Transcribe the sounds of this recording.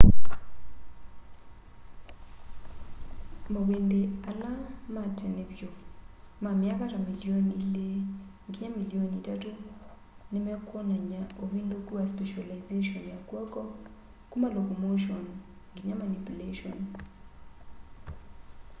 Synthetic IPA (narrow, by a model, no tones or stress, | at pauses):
mawendealamatɛnebjo | mamjakaɾamilionile | ɡiɲamilionitato | nɪmɛkwɔnaɲaowindokuaspɛʃalaɪzeʃɔnjakwɔkɔ | kumalokomoʃion | ɡiɲamanipuleʃɔ̰n